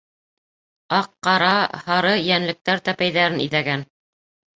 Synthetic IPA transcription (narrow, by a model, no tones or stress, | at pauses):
ɑqːɑɾɑhɑɾɤjænlɘ̆k̚t̪æɾt̪æpæjðæɾɘnḭðæɡæn